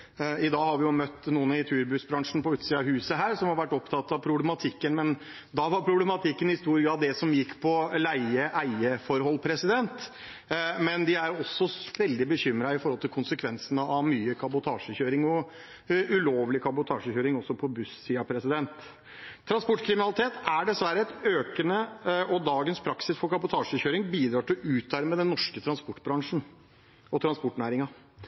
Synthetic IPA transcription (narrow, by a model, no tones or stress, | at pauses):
ɪd̪ɑːɡhɑɾʋɪjʊmœt̪ːnuːənəɪt̪ʰʉːɾbʉsbɾɑŋʂn̩pɔʉːt̪siːɑɦʉːsəɦæːɾsɔmhɑɾʋæʈːɔpt̪ʰɑt̪ːɑʋpʰɾʊblɛmɑt̪ʰɪkːənmɛn | d̪ɑʋɑɾpʰɾʊblɛmɑt̪ʰɪkːənhɪst̪uːɾɪəɑʋd̪ɛsɔmjɪkːpʰɔlæɪəʔæɪəfɔɾhɔlːpʰɾɛsɪd̪ɛnt̪ | mɛnd̪ɪæɾɔsːɔʋɛld̪ɪbəçʏmːɾɑɪfɔɾhɔlt̪ʰɪlkʰʊnsəkʰʋɛnsənəʔɑʋmyːəkʰɑbʊt̪ʰɑːʂəçøːɾɪŋɔ | ʉloːʋlɪkʰɑbʊt̪ʰɑːʂəçøːɾɪŋɔsːɔpʰɔbʉsːiːɑpʰɾɛsɪd̪ɛnt̪ʰː | ɾɑnspɔʈːkʰɾɪmɪnɑlɪt̪ʰeːt̪æɖɛsʋæɾːəɛt̪øːkənəɔd̪ɑːɡənspʰɾɑksɪsfɔɾkʰɑbʊt̪ʰɑːʂəçøːɾɪŋbiːd̪ɾɑːʈɪlʉːt̪̚ːæɾmɛd̪ɛnːɔʂkət̪ʰɾɑnspɔʈːbɾɑŋʂn̩ | ɔt̪ʰɾɑnspɔʈːnæːɾɪŋɑ